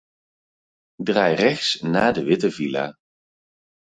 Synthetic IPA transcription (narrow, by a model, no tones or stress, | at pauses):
draːjrɛχsnaːdəʋɪtəvila̰ː